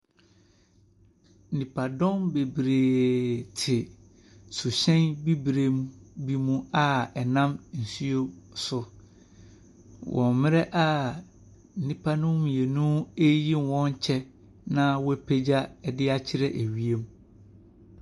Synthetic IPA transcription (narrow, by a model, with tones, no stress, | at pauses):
n̩˨nĩ˨pʰa˨dɔ̃˦nbe˨bɾeː˨tʰɪ˨ | su˨ɕɛ̃˦nbi˦bɾe˨mũ˦bi˦mũ˦a˦ɛ˨nã˦mn̩˨su˦o˦sʊ˨ | wʔɔ̰̃˨mmɪ̃˦ɾɛ˦ʔa˦˨ | n̩˨nĩ˦pʰa˦nʊ̃˦m˨je˨nũ˦e˦ji˦n˨wɔ̃˦ɲ˦t͡ɕʰɛ˦ | nã˦wɔ˦pʰe˦d͡ʑa˦ɛ˨dɪ˦a˦t͡ɕʰɪ˦ɾɛ˦˨ʔe˨ɥi˨e˦mũ˦